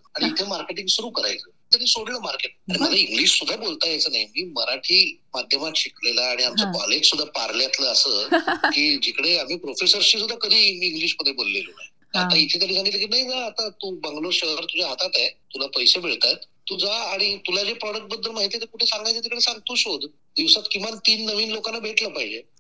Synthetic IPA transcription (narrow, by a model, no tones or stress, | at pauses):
aɽiit̪ʰemaɾkeʈiŋɡsuɾuːkəɾa̰jt͡səːt̪əniːsoɽləmaɾkeʈ̚aɽiməlaiŋɡliːʂsud̪ʱabolt̪ajat͡səːnajmiːməɾaʈʰiːmad̪ʱjəmat̪ɕiklelaːɽ̃iamt͡sakɔled͡ʑsud̪ʱːapa̰ɾljat̪ləːsəkiːd͡ʑikɽeam̤iːpɾofesəɾɕiːs̬ud̪ʱːakəd̪ʱiːmiiŋɡliʂməd̪ʱːjebolːḛlona̰j | at̪ait̪ʰeːk̪əɽid͡zʱañiləkiːnajd͡zaːt̪at̪uːbəŋɡloɕəəɾt̪ud͡ʑʱaɦat̪at̪ajt̪ulapəjsebʱeɭt̪at̪t̪ud͡zaːɽ̃it̪ulad͡ʑepɾɔɽək̚ʈ̚bəd̪ːəlmaɦit̪et̪əɾkuʈʰesãŋɡajt͡sət̪ikəɽesãŋɡ̚t̪uːɕɦod̪ | d̪iʋsat̪kĩʋant̪iːnːəʋiːnlokanːabʱeʈləpaɦid͡ʑe